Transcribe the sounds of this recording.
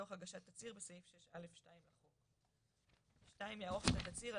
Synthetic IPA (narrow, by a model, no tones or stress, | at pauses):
oχaɡaʃat̪ːat͡siʁbesajifʃeʃale̞fʃtaimlaχok | ʃtaimjaʁoχat̪at̪at͡siʁa